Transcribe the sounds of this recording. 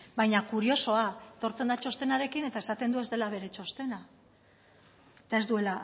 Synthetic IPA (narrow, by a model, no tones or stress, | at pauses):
bajɲakuɾio̞so̞aet̪o̞ɾt͡se̞nd̪at͡ʃo̞st̪e̞naɾe̞kine̞t̪ae̞sat̪e̞nd̪ue̞zd̪e̞laβ̞e̞ɾe̞t͡ʃo̞st̪e̞na | et̪ae̞zd̪ue̞la